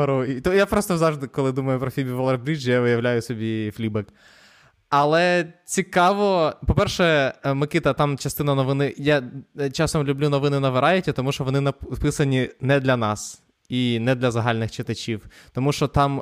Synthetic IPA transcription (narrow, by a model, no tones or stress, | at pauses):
ɾuit̪ɔjapɾɔst̪ɔzɑʋʒd̪ɪkɔlˠɪd̪umɐjʊpɾɔfʲibʲiʋɔlˠɐrbɾʲid͡ʒjaʋɪjɐʋlʲajʊsʲɔbʲifʲlʲibɛk | ɐlˠɛt͡sʲikɑʋɔpɔpɛrʃɛmɪkʲit̪ɐt̪ɑmt͡ʃɐst̪ɪnɐnɔʋɪnɪjat͡ʃɑsɔmlʲublʲunɔʋɪnɪnɐʋeɾɑjʊtʲɐt̪ɔmuʃt͡ʃɔʋɔnɪnɐpɪsɐnʲinɛd̪lʲɐnɑs | inɛd̪lʲɐzɐɦɑlʲnɪxt͡ʃɪt̪ɐt͡ʃʲiwt̪ɔmuʃt͡ʃɔt̪ɑm